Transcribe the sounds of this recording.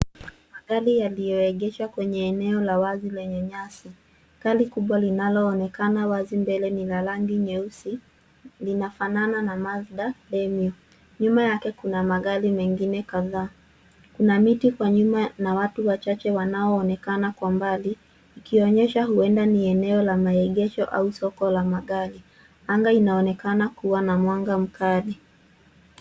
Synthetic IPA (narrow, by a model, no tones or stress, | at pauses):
maɠalijalijɔɛɠɛʃakwɛɲɛːnɛɔlawazilɛɲɛɲasi | kalikuɓwalinalɔːnɛkanawazimbɛlɛnilalaŋɡiɲɛusi | linafanananamazɗalɛmiɔ | ɲumajakɛkunamaɠalimɛŋɡinɛkaðaː | kunamitikwaɲumanawatuwat͡ʃat͡ʃɛwanaɔːnɛkanakwambaliː | kiɔɲɛʃaɦuɛndaniɛnɛɔlamaɛɠɛʃɔʔa̰usɔkɔlamaɠali | aŋɡainaɔnɛkanakuwanamwaŋɡam̩kali